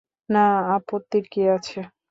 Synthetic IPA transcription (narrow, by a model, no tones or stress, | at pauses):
naapot̪ːiɾkiat͡ɕʰe